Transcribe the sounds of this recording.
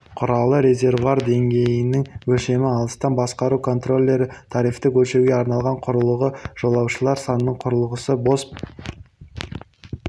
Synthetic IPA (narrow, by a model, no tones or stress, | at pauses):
qʰʊɾɑlˠəɾe̞zʲe̞rvuaɾd̪e̞ŋɡʲe̞jɪnɪŋwɵlʃe̞mɪɑlˠəst̪ɑnbɑsqɑɾukʰo̞nt̪ro̞lʲːe̞ɾɪt̪ʰɑɾift̪ɪkʲʰɵlʃe̞ɡʲeɑɾnɑlˠʁɑɴqʰʊɾəlˠəʁəʒ̥o̞lˠɑwʃəlˠɑɾsɑnənəɴqʰʊɾəlˠəʁəsəbo̞sp